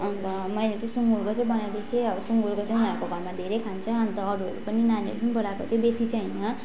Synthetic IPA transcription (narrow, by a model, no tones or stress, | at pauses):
ʌnt̪ʌ | mʌjlet͡sʌ̃suŋɡuɾkot͡sʌĩbʌnad̪ekʰeʌbʌsuŋɡuɾkot͡sʌĩũɦãɾkoɡʱʌmad̪ʱeɾejkʰant͡sʰʌʌnt̪ʌːɾuʌɾupʌninaniʌ̰ɾupʌnibʌlakot̪ʰjobesit͡sʰʌ̃inʌ